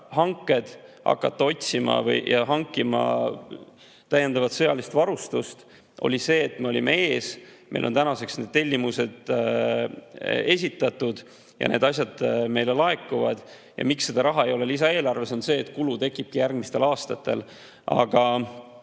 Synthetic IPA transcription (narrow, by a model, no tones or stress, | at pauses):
hɑŋkːˑe̞d̪̥hɑ̰kːɑt̪ːɑo̞tʲsimɑ̰vɤ̰jjʔɑɦɑŋkːˑimɑ̰ | t̪æjːe̞nd̪ɑvɑt̪sɤ̞jɑlist̪vɑɾust̪ust̪ | ʔo̞̰lʲise̞ːt̪ːme̞o̞lʲimee̞ːsmʔejlont̪ænɑse̞ksne̞d̪̥̚t̪e̞lʲːimuse̞d̪̥ | e̞s̬ʲit̪ːˑɑt̪ːˑud̪̥ | jɑ̰ne̞d̪ɑs̬ʲjɑd̪̥̚me̞jle̞lɑe̞kːˑuvɑd̪̥ | jɑ̰miksːed̪ɑɾɑɦɑe̞jo̞le̞lisɑe̞ːlɑrve̞sonse̞ːt̪kulut̪e̞kːˑib̥̚kijærɡmist̪e̞lɑːst̪ɑt̪ːe̞̰l | ʔɑ̰ɡ̥ɑ